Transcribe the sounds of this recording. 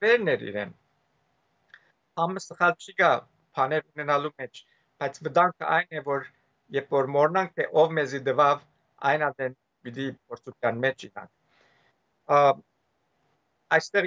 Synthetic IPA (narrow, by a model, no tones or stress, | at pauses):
vɛɾnɛɾḭɾɛ̰n | hɑməsəχɑlt͡ʃʰiɡɑ | pʰɑnɛɾunɛnɑlumɛt͡ʃʰ | b̥ɑjt͡sʰvəd̪ɑŋkʰə̰ʔɑjnɛvɔɾ | jɛɾpʰvɔɾmɔɾnɑŋk̚t̪ʰɛʔɔvmɛzid̪əvɑv | ɑ̰jnɑd̪ɛn | b̥id̪ipʰɔɾt͡sʰut̪ʰjɑnmɛt͡ʃʰḭnɑ̰ŋk̚ʰ | ɑjst̪ɛʁ